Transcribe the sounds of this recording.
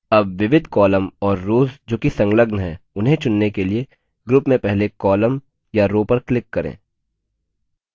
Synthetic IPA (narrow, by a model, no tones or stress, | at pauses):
ɐbʋɪʋɪd̪ʱkɔːləmɔːɾːoːzd͡ʒoːkisɐ̃ŋɡləɡnɦɛːʊnɦẽt͡ʃʊnːekelie | ɡɾʊpmẽpɛɦlekɔːləm | jaɾoːpɐɾklɪkːɐɾḛ̃ː